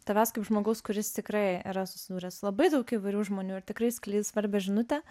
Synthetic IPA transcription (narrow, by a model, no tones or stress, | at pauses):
t̪ɐʋʲæːskɐɪpʒmoːɡɐʊskʊɾʲɪst̪ʲɪkɾɐɪḭɾɐsʊ̥sʲɪd̪uːɾʲɛsʊlˠɐbɐɪd̪ɐʊkiːʋɐɪɾʲuːʒmoːnʲuːɪɾt̪ʲɪkɾɐɪsʲkʲlʲiːt̪sʋɐɾʲbʲɛʒʲɪnʊt̪ʲɛ